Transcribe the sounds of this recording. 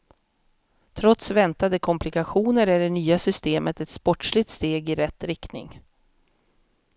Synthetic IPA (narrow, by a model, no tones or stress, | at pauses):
t̪ʰɾɔt̪svɛnt̪ad̪əkʰɔmplɪkaɧuːnəɾæɖɛnyːasʏst̪eːmət̪ɛt̪spɔʈʂɭɪt̪st̪eːɡɪɾɛt̪ːɾɪkt̪nɪ̰ŋ